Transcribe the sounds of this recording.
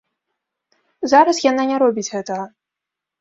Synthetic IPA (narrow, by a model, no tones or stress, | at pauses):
zaɾɐsjananʲɛɾɔbʲit͡sʲɣɛt̪ɐɣɐ